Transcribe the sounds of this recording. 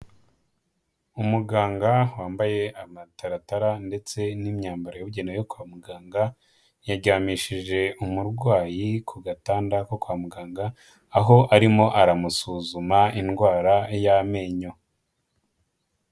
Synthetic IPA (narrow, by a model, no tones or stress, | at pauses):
umuɡaːŋɡawaːmbaje̞amataɾataɾande̞t͡se̞nimɲaːmbaɾojoβuɟenajokwaːmuɡaːŋɡa | jaɟaːmiʃiʒe̞umuɾɡwaːjikʰuɡataːndako̞kwaːmuɡaːŋɡaː | ɦo̞ʔaɾimo̞ʔaɾamusuːzumainɡwaːɾajame̞ːɲo̞